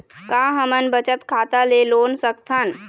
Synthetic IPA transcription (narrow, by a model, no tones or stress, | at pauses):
kãːɦəmənbət͡ʃət̪kʰaːt̪aleloːnsəkt̪ʰən